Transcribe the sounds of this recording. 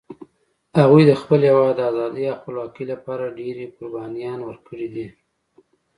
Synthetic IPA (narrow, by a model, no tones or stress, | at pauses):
haɣujd̪əxpəljawad̪əazɑd̪əjaxʊlwɑkəjlapɑɾaɖeɾekʊɾbɑnijɑnwəɾkəɽid̪i